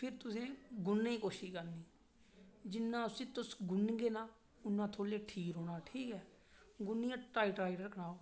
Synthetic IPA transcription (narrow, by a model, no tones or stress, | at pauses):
pʰɪɾt̪ʊsẽːɡʊnːẽiːkoːʃiːkəɾniː | d͡ʒɪnːãːʊsĩːt̪ʊsɡʊnɡeːnaː | ʊnːãːt̪ʰoːleːʈʰiːkɦoːnaːʈʰiːkɛː | ɡʊnːiːãːʈaːiʈɾaːɪɖəɾkənaːo